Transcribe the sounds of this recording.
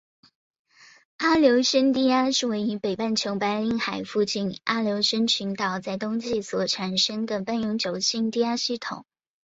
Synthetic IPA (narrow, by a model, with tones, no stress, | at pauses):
a˥ljo˧˥ʊʂə˥nt̪i˥˩a˥ʂɻ̩˥˩we˧˥ɪy˧˥pe˨˩ɪpa˥˩nt͡ɕʰjo˧˥ʊpa˧˥ɪli˧˥˩ŋxa˨˩ɪfu˥˧t͡ɕi˥˩nʔa˥ljo˧˥ʊʂə˥nt͡ɕʰy˧˥nt̪ɑ˨˩ʊt͡sa˥˩ɪt̪ʊ˥ŋɕi˥˩swɔ˨˩ʈ͡ʂʰa˨˩nʂə˥ŋd̪ə˨pa˥˩njʊ˧˥ŋt͡ɕjo˨˩ʊɕi˥˧nt̪i˥˧a˥ɕi˥˩t̪ʰʊ̰˨˩˦ŋ